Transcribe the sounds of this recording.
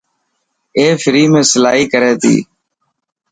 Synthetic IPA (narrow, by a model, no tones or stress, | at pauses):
eːfɪɾiːmẽːsəla̰ːɦiːkəɾeːt̪ḭː